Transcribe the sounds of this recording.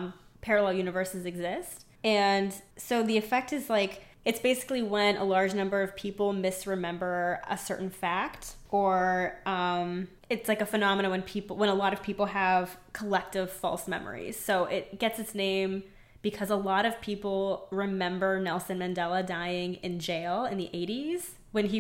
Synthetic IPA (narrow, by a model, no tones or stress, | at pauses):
pʰɛɹɨlɛlˠjʉnɨvɜ˞sizɨɡzɪst | ɨ̃nsoʊðiɨfɛk̚tɨzlaɪk | ɨtsb̥eɪsɨ̥kliwə̃nʔə̰lɑɹd͡ʒnʌ̃mbə˞ʌv̥pʰipl̩ˠmɪsɹɨmɛ̃mbə˞ə̰sɜ̰˞ʔn̩fæktə˞ʌ̃m | ɨtslaɪkɨfɨnɑməñɨwɨ̃npʰipl̩ˠwə̃nəlɔɾʌv̥pʰipl̩ˠəv̥kʰəlɛk̚tɪv̥fɔ̰lˠsmɛ̰mə̰˞ḭz̥soʊʔɪt̚ɡ̥ɛtsɨtsnẽɪ̃m | b̥ɨkʰʌzəlɔɾʌv̥pʰipl̩ˠɹɨmɛ̃mbə˞nɛlˠsɨ̃nmɨ̃ndɛlˠədaɪɪ̃ŋɪ̃nd͡ʒeɪlˠɨ̃nðiʔeɪɾiz̥ | wɨ̃ni